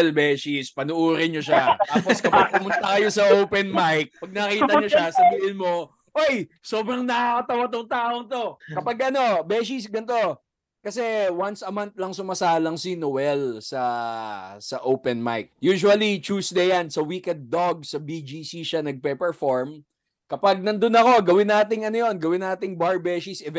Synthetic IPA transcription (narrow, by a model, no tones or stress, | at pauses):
lbɛːʃispɐnʊʔuːɾɪɲoʃat̪aːposkɐpʊɡ̚pʊmʊnt̪ɐkɐjo̞sɐʔowpɛnmajk̚pɐɡ̚nɐkiːt̪ɐɲoʃasɐbiːhɪnmo̞ | ʔoj | so̞ːbɾɐŋnɐkɐt̪ɐwat̪oŋt̪aːʔoŋt̪o̞kɐpaɡʔɐno̞bɛʃ̬is̬ɡɐnt̪o̞ | kɐsɛwɐnsɐmant̪̚lɐŋsʊmɐsaːlɐŋsinowɛlsɐ | sɐʔowpɛnma̰jk̚juːʃuɐlit͡ʃuːsd̪ɛjansɐwiːkɛd̪̚ːoɡ̚sɐbid͡ʒisiʃanɐɡ̚pɛpɛɹfoɹm | kɐpaɡ̚nɐnd̪onɐko̞ɡɐwɪnːaːt̪̬ɪŋɐnojo̞nɡɐwɪnːaːt̪ɪŋbaɹbɛːsisɛv